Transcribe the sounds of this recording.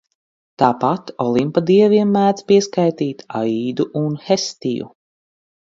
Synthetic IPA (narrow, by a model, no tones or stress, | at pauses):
t̪aːpat̪ɔlˠimpad̪iɛviɛmːæːd̪spiɛskajt̪iːt̪aiːd̪uʔunxest̪ijṵ